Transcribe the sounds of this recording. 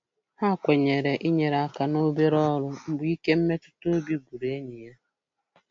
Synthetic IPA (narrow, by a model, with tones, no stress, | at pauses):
ha˦˨kʷe˨ɲe˨ɾe˨ʔi˦ɲe˨ɾa˦˨ka˨no˦be˦ɾɔ˦ɾʊ˦m̩˦bʊ˨˦i˦ke˦m̩˦me˦tʊ̥˦to˦o˦bi˦ɡʷu˨ɾe˨e˦ɲe˨ja˦